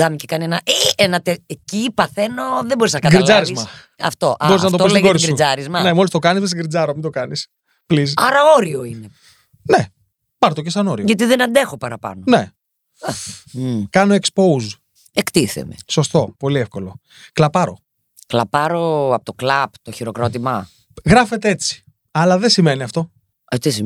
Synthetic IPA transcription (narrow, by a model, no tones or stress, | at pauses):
d̪ɐmicekɐnienɐʔeenɐt̪eecipɐθe̞noðeboɾiznɐkɐɡɾid͡zɐɾizmɐ | ɐ̰ft̪o̞ʔɐboɾiznɐt̪oseɡoɾisɡiuzɐɾizmɐnemolist̪o̞kɐnizmes̬iɡɾid͡zɐɾomind̪o̞kɐnis | plis̬ɐɾɐo̞ɾio̞ine̞ | ne | pɐɾt̪ocesɐno̞ɾioʝɐt̪iðenɐnd̪e̞xo̞pɐɾɐpɐ̰none̞ | kɐnoekspouz | ekt̪iθḛmḛso̞st̪o̞po̞liefko̞lo̞ | klɐpɐɾo̞̰ | klɐ̰pɐɾoɐpot̪oklɐpt̪oçiɾokɾot̪imɐ | ɣɾɐfe̞t̪eet͡si̥ | ɐlɐðesime̞niɐft̪o̞ | ɐt̪isi